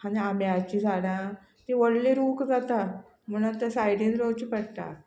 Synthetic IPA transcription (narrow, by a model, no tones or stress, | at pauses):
haniamjat͡ɕid͡zʱaɽ̃ã | t̪iʋəɽleɾuːkd͡zat̪a | m̤ənat̪əsajɽẽnɾot͡ɕipəɽt̪a̰